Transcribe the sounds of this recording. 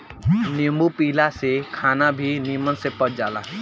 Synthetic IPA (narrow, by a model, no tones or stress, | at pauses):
niəmbupiːlasekʰaːnabʱinimənsepəʈ̚d͡ʒaːla̰